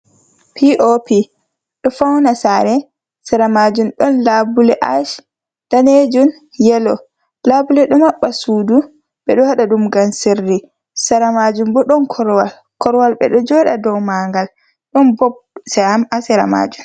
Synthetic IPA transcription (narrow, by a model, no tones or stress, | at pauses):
pʰiʔopi | ɗɔfawnasaɾɛ | saɾamad͡ʒumɗɔnlabulɛʔaʃ | d̥aned͡ʒun | jɛlɔ | labulɛɗɔmaɓːasuːdu | ɓɛɗɔhaɗaɗumɡanserːi | saɾamad͡ʒumbɔɗɔnkʰɔɾwal | kɔɾwalɓɛ̰ɗɔd͡ʒɔɗadɔwmaŋɡal | ɗɔnbɔb̚sɛhamasɛɾa̰ma̰ːd͡ʒum